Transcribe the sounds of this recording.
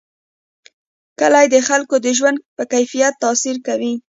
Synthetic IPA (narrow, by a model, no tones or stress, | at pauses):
kəlajd̪əxalkod̪əʒwand̪̚pəkajfijat̪ːɑsiɾkawi